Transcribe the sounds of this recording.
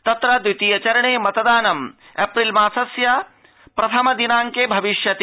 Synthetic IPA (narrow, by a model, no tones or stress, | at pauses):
t̪ɐt̪ɾɐd̪ɾit̪ijɐt͡ʃɐɾɐɳeːmɐt̪ɐd̪aːnɐm | epɾilmaːsɐsjɐ | pɾɐt̪ʰɐmɐd̪inaːŋkeːbʱɐʋiʃjɐt̪i